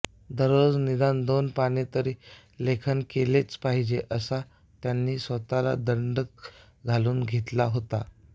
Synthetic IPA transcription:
d̪əɾod͡znid̪and̪onpaɽ̃it̪əɾiː | lekʰənkelet͡spaɦid͡ʑeʔəsa | t̪janːiːsʋət̪ala̰d̪əɳɖək̚ | ɡʱaluːnɡʱet̪laɦot̪a

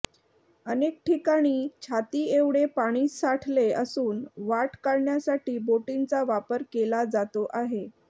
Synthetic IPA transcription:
ənek̚ʈʰikaɽ̃iːt͡ɕʰat̪iːeʋɽepaɽ̃iːsaʈʰleəsuːnʋaʈkaɾɳjasaʈiːboʈint͡saʋapəɾkelad͡zat̪oʔaɦe

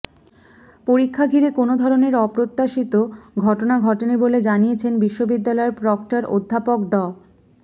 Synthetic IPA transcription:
poɾikʰːaɡʱiɾekonod̪ʱɔɾoneɾɔpɾot̪ːaʃit̪oɡʱɔʈonaɡʱɔʈeniboled͡ʑanijet͡ɕʰenbiʃːobid̪ːalɔeɾpɾɔk̚ʈaɾo̰d̪ʱːapok̚ɖɔ

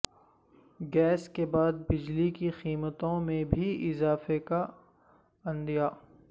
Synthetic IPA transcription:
ɡɛːskebaːd̪̚bɪd͡ʒlikixiːmət̪õmẽbʱiɪzaːfeka | ɐ̃nd̪ijaː

